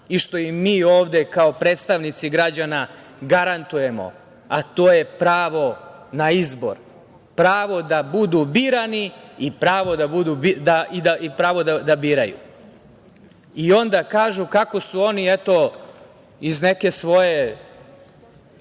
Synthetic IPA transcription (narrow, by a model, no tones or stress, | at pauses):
iʃt̪o̞imːiːo̞ːʋd̪e̞kaopɾe̞ːt̪st̪aʋnit̪siɡɾad͡ʑana | ɡaɾant̪uje̞mo̞̰ | at̪o̞ːje̞pɾaːʋo̞naizbo̞̰ɾ | pɾaːʋo̞d̪abud̪ubiɾaniipɾaːʋo̞d̪abud̪ubid̪aid̪aipɾaːʋo̞d̪ad̪abiɾajṵ | io̞nd̪akaːʒukako̞suo̞niet̪o̞ | izne̞ke̞sʋo̞je